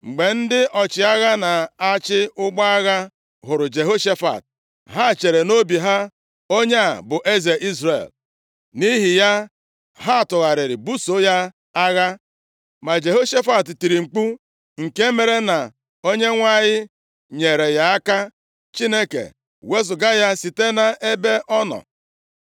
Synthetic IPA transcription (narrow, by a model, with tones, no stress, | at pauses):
ŋ͡m̩˨ɡ͡be˨n̩˦dɪ˦ʔɔ˨t͡ʃɪ˨a˦ɣa˦na˨a˦t͡ʃɪ˦ʊ˦ɡ͡ba˦a˦ɣa˦ | ɦʊ˨ɾʊ˨d͡ʒe˨ɦo˦ʃe˦fa̰˨t̚ | ɦa˦˨t͡ʃe˨ɾe˨no˦bi˨ɦa˦ | o˦ɲe˦a˨bʊ˨ʔe˦ze˨ʔi˦zɾḛ˨l | ni˦ɦɪ˨ja˦ | ɦa˦˨tʊ˨ɣa˨ɾɪ˨ɾɪ˨bu˦so˦ja˦ | a˦ɣa˦ | ma˨d͡ʒe˨ɦo˦ʃe˦fa˨tti˨ɾi˨ŋ͡m̩˨k͡pu˦ | ŋ̩˨ke˦me˨ɾe˦na˨ | o˦ɲe˦ŋʷa˦˨ɲɪ˦ | ɲe˨ɾe˨ja˦a˦ka˦ | t͡ʃi˦ne˦kḛ˨ | we˦zʊ˨ɡa˦ja˦si˨te˦na˨ʔe˦be˦ʔɔ˦nɔ̰˨